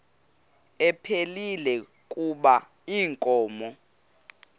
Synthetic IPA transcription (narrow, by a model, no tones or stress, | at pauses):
ɛpʰelilɛ | kʼuɓa | iːŋkʼɔːmɔ